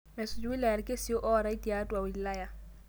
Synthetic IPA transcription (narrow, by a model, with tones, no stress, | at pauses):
mɛ˨sʊ˨d͡ʒʊ˦i˦la˨ja˨ɾɪ˨ke˦so˦ʔɔ˦ɾa˦i˦ti˨a˦tu˦a˨wi˨la˦ja˦